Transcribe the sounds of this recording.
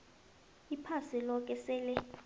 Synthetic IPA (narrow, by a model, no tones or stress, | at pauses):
ipʰasilɔk̬ʼɛsɛːlɛ